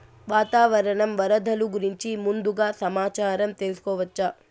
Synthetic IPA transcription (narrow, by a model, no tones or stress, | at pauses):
ʋaːt̪aːʋɐɾɐɳɐmʋɐɾɐd̪ʱɐluɡuɾiɲt͡ʃimund̪uɡaːsɐmaːt͡ʃaːɾɐmt̪eːlsu̥kɔːʋɐt͡ʃːɐ